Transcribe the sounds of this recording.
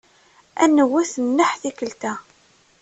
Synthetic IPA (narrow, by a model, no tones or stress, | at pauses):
æ̰nːəwːæθənːəħθikəlt̪æ